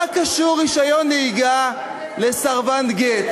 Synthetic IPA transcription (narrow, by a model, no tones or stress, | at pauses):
kaʃuʁiʃajonːeiɡa | lesaʁvanɡet